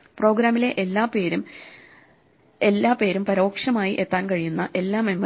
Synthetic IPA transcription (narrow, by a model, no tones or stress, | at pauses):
pro̞ːɡɾaːmile̞ʔːaːpeːɾum | elːaːpe̞ːɾumpɐɾo̞ːkʂɐmaːjiʔe̞t̪ːaːnkɐɻijunːɐʔe̞lːaːmemːɐ